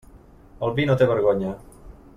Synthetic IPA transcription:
əlˠβinot̪eβəɾɣoɲə

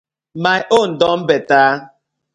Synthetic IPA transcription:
maʔon̩dɔm̩betaː

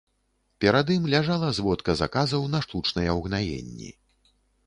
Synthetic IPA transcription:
pʲɛɾad̪imlʲaʐalˠɐzvɔt̪kɐza̰kazɐwnɐʂt̪ut͡ʂnɐjɛwɣnajḛnʲːḭ

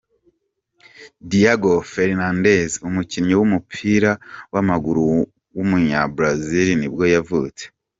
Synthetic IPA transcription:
dijaɡofe̞ɾnandezumucinɲowumupʰiːɾawamaɡuɾu | wumuɲabɾaziɾinibɡo̞javṵːt͡se̥

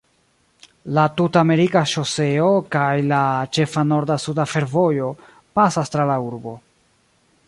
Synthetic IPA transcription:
latutame̞ɾikaʃose̞o̞kajlat͡ʃe̞fano̞ɾdasudafe̞ɾvo̞jo̞ | pasastɾalauɾbo̞

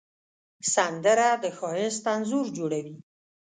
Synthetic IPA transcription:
sand̪əɾad̪əxɑjɪst̪anzuɾd͡ʒoɽawi

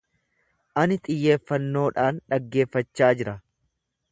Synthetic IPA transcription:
ʔɐnɪt̪ʼɪjːe̞ːfːɐnːo̞ːᶑaːnᶑɐɡːe̞ːfːɐt͡ʃːaːd͡ʒɪɾɐ

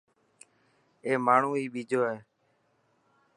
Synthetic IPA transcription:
eːmaːɳ̤ũːiːɓiːd͡ʒoːɦeː

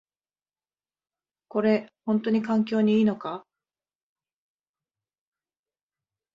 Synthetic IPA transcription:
ko̞ɾe̞hõ̞nt̪o̞ɲ̟ikãŋkʲo̞ːɲ̟iiːno̞ka

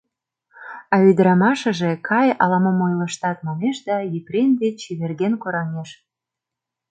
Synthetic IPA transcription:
ɑyd̪əɾɑmɑʃə̆ʒekʰɑjɑ̰lɑməmojlə̆ʃt̪ɑt̪mɑneʃd̪ɑjiprend̪et͡ɕiβerɣenkoɾɑneʃ

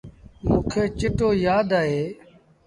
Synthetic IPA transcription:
jõːkʰeːt͡ʃɪʈoːjaːd̪aːɦeː

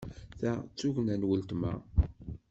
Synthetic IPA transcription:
θæt͡sːuʝnænwəlt̪mæ̰

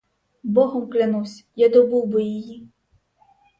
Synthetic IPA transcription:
bɔɦɔmklʲanuwsʲjad̪ɔbuwbɪjiji

